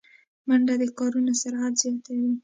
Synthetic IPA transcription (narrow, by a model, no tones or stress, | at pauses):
maɳɖad̪əkɑɾunosaɾad̪zjɑt̪awi